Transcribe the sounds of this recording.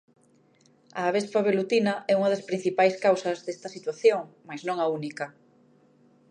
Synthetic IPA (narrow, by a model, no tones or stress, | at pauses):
a̰ːβespaβelut̪inɐʔɛuŋɐðɐspɾin̟θipajskawsɐzðest̪ɐsit̪waθjoŋmajznõŋɐunikɐ